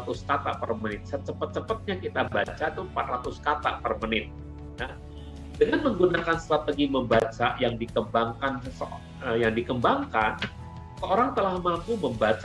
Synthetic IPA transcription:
at̪uskat̪aʔpərmənɪt̪̚sət͡ʃəpət̪̚t͡ʃəpət̪̚ɲakit̪aba̰t͡ʃat̪umpat̪rat̪ʊskat̪a̰ʔpərmənɪt̪̚ | ja | dəŋanməŋɡunakanst̪ɾat̪əɡiməmbat͡ʃajaŋdikəmbaŋkansəsə | əjaŋdikəmbaŋkan | səoɾaŋt̪əlahmalkuməmbat͡ʃa

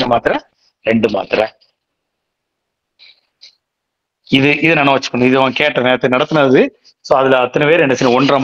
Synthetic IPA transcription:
ɐmaːt̪ɪɾɐ̃ | ɾɛɳɖɯma̰ːt̪ɪɾɐ̰̃ | ɪðɯʔɪðɯnɐnɐʋɐt͡ʃːɯ̥kːɐnɪðɯʋãːkeːʈːɐneːɐt̪ːnɐɽɐt̪ːɯnaːðɯ | soːɐðɪlɐɐt̪ːɐnɐʋeːɾɛnɐsɪnɐ̃ɔɳdrɐm

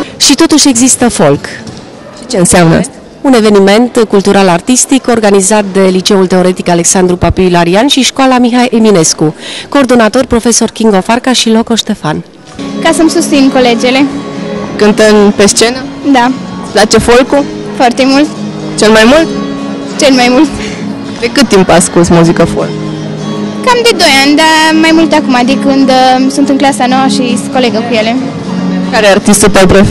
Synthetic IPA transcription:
ʃit̪o̞t̪uʃe̞ɡzist̪əfo̞lk | ʃi̥t͡ʃeɨnseamnə̰ | une̞ve̞nime̞nt̪kult̪uɾalart̪ist̪iko̞rɡanizat̪̚d̪e̞lit͡ʃe̞ult̪e̞o̞ɾe̞t̪ikale̞ksand̪ɾupapilaɾianʃiʃkwalamiɦajʔemine̞skuko̞ːrd̪o̞nat̪o̞rʲpɾo̞fe̞so̞rkiŋɡofarkaʃilo̞ko̞ʃt̪e̞fan | kasəmsust̪sinkoled͡ʒelekɨnt̪ənpest͡ʃe̞nəd̪aplat͡ʃe̞folku | foart̪e̞mult̪ | t͡ʃelmajmult̪ | t͡ʃe̞lmajmult̪ | d̪ekɨt̪̚ːimpaskulsmuzikəfo̰lk | kamd̪e̞d̪o̞janʲd̪amajmult̪akumad̪ikɨnd̪sunt̪ɨnklasanowəʃisə̥ko̞leɡəkuje̞le̞ | kaɾeart̪ist̪ut̪awpɾo

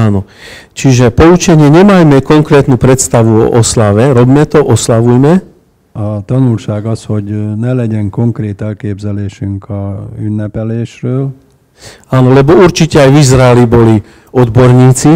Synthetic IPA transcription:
aːnɔ | t͡ʃiʒɛpɔut͡ʃɛɲɪɛɲɛmajmɛkɔŋkɾɛːt̪nupɾɛt̪st̪aʋuɔ̰ʔɔslaʋɛɾɔbmɛt̪ɔʔɔslaʋujmɛ | at̪ɔnulʃaːɡɔshɔɟnɛlɛɟɛŋkɔŋkɾɛːt̪ɛlkɛːbzɛlɛːʃyŋkɔunːapɛlɛːʃɾɔːl | aːnɔlɛbɔuɾt͡ʃicɛajʋizɾaaelibɔli | ɔd̪bɔɾɲiːt͡si

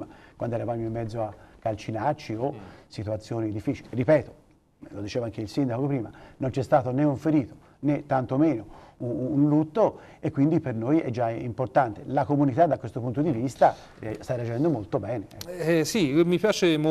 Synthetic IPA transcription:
makwa̰nd̪oɛɾavaːmoimːɛd̪zːoakːalt͡ʃinart͡ʃiosit̪uat̪sːjoːnid̪ifːiːt͡ʃiliripɛːt̪o̥ | lod̪it͡ʃeːvaŋk̟eilsind̪akokopɾiːmanont͡ʃɛst̪aːt̪oneuɱfeɾiːt̪o̥ | net̪ːant̪omeːnouːnlut̪ːo | ekːwind̪ipernojɛd͡ʒaimport̪ant̪elakomunit̪ad̪ːakːwest̪opunt̪od̪ivist̪a | rst̪arːead͡ʒɛnd̪omolt̪obɛːneɛsimipjaːt͡ʃem

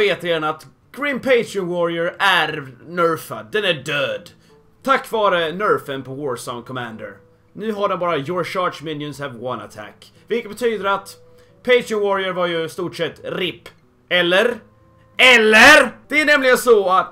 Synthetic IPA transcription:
eːt̪ɾeːd̪ənat̪ | ɡ̥ɾɪnpʰeɪt̪ʰɾɔnwɔɾɪəɾæɾnœɾfa̰d̪ɛnæɖøːd̪ | t̪ʰakːvɑːɾənœɾfənpʰɔvɔːɹsɔŋkʰɔmænd̪ə̰ɾ | nʉ̟ːɦaɖɛnbɑːɾajɔɹʂɑːʂmɪnjɔnshɛvwana̰t̪ʰæ̰kːvɪlkət̪bɛt̪ʰyːd̪əɾat̪ | pʰeɪt̪ɾɪɔnwɔɾɪəɾvaɾjɵst̪uːʈsɛt̪ːɾɪpː | ɛlːəɾ | ɛlːəɾd̪̥ɛæɳɛmlɪɡənsɔat̪

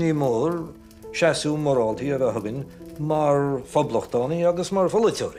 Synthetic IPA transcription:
niːmoːɹ | ʃasuːmɔɾɔːlt̪ʰiəvəɦʊɡənʲmaɹfɔbləxd̪̥ɔːniaɡəsmaɹfɔlətʲʰɔ̰ːɾi

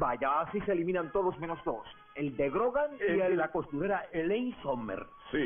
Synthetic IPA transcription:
baʝaːsise̞ːlimĩnant̪oðosmenozd̪o̞s | eld̪e̞ɣɾoɣaŋielako̞st̪uɾeɾaelejnsomḛɾ | si

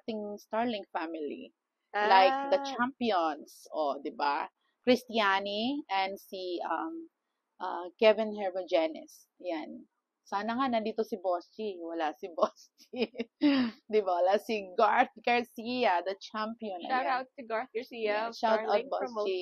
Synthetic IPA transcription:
t̪ɪŋst̪aɹlɪ̃ŋfamɪlḭ | lajk̚d̪ɐt͡ʃampionsod̪ɪba̰ | kɾɪst̪ɪjaniʔɛ̃nd̪siʔɐm | ʔɐkɛvɪ̃nhɛɹmɐd͡ʒɛnɪ̰s | jan | saːnɐŋanɐnd̪iːt̪osɪbost͡ʃiwɐlasɪbost͡ʃi | d̪ɪbawɐlasiɡaɹθ̚ɡɐɹsijɐd̪ɐt͡ʃampiɔ̃naɡa | ʃaltawt̪̚bost͡ʃi

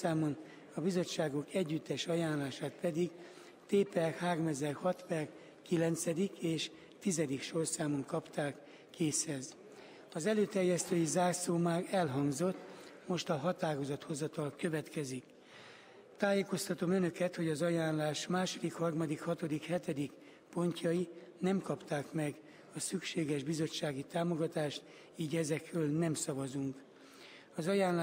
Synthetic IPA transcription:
aːmon | ɒbizo̞t͡ʃːaːɡokɛɟːyt̪ːɛʃɒjaːnlaːʃaːt̪pɛd̪iɡ | t̪eːpɛrhaːɾo̞mɛzɛrhɒt̪pɛr | kilɛnt̪sɛd̪ikeːʃ | t̪izɛd̪ikʃorsaːmoŋkɒpt̪aːkː | eːshɛz | ɒzɛløːt̪ɛrjɛst̪øːjizaːrsoːmaːrɛlɦɒŋɡzo̞t̪ːmo̞ʃt̪ɒɦɒt̪aːɾo̞zɒt̪ho̞zɒt̪ɒlkøvɛt̪kɛzik | t̪aːjeːko̞st̪ɒt̪o̞mønø̞kɛt̪ho̞ɟɒzɒjaːnlaːʃmaːʃo̞d̪ikhɒrmɒd̪ikhɒt̪o̞d̪ikhɛt̪ɛd̪ik | po̞ɲcɒjinɛmkɒpt̪aːkmɛɡ | ɒsykʃeːɡɛʒbizo̞t͡ʃːaːɡit̪aːmo̞ɡɒt̪aːʃt̪ | iːɟɛzɛkrøːlnɛmsɒvɒzuŋk | ɒzɒjaːn

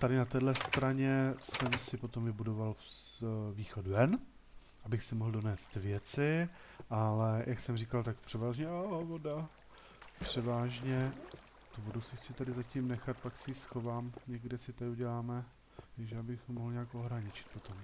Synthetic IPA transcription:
t̪adɪnat̪ɛːdlɛst̪ɾaɲɛsɛmsɪpo̞t̪o̞mvɪbudo̞val | viːxoduɛn | ʔabɪxsɪmoɦldo̞nɛːst̪vjɛt͡sɪ | ʔalɛjʔaksɛmriːkalt̪akpr̥ɛvaːʒɲɛʔavoda | pr̝̥ɛvaːʒɲɛ | t̪uvo̞dusɪsɪt̪adɪzacimnɛxat̪̚paksɛisxo̞vaːmɲɛɡdɪsɪt̪adɪuɟɛlaːmɛ | t̪aɡʒɛabɪxmoɦlɲɛakʔo̞ɦɾaɲɪt͡ʃɪ̥t̪̚po̞t̪o̞m

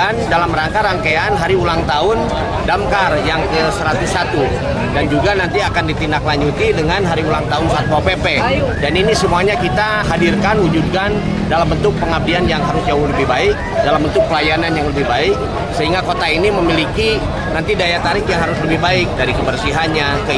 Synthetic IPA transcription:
ndalamɾaŋkaɾaŋkeanɦaɾiulaŋt̪aʊn | damkarjaŋkəsəɾat̪usat̪u | dand͡ʒuɡanant̪iakandit̪indaklaɲd͡ʒut̪idəŋanɦaɾiulaŋt̪aʊnsat̪uapepɛdaninisəmuaɲakit̪a | ɦadirkanwud͡ʒud̚kan | dalambənt̪ʊk̚pəŋap̚dianjaŋɦaɾʊsd͡ʒaʊhləbɪhbaɪk̚dalambənt̪ʊk̚pəlajananjaŋləbɪhbaɪk̚ | səɦiŋɡakot̪ainiməmiliki | nant̪idajat̪aɾɪkjaŋɦaɾʊsləbɪhɦbaɪk̚daɾikəbərsiɦanɲa | kə

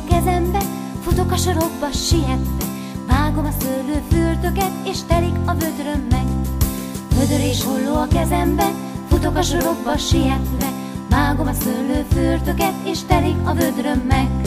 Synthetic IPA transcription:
kɛzɛmbɛ | fut̪o̞kɒʃoɾo̞ɡ̚bɒʃiɦɛt̪ːɛ | vaːɡo̞mɒsølːøːfyːrt̪ø̞kɛt̪eːʃt̪ɛlikɒvø̞d̪rø̞mːɛk | vød̪øɾeːʃɦolːoːɒkɛzɛmbɛ | fut̪o̞kɒʃoɾo̞ɡ̚bɒʃijɛt̪ʋɛ | vaːɡo̞mɒsølːøːfyːrt̪ø̞kɛt̪eːʃt̪ɛlikɒvø̞d̪rø̞mːɛk

